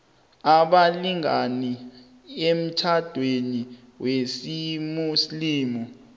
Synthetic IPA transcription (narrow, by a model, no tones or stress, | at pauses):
aɓaliŋani | em̩t͡ʃʰad̥ʱweni | wesimusliːmɔ